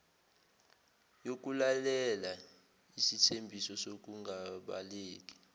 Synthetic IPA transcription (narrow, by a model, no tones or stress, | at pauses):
jok̬ʼulalɛla | isitʰembʱisɔsok̬ʼuŋɡʱaɓa̰leːk̬ʼi̥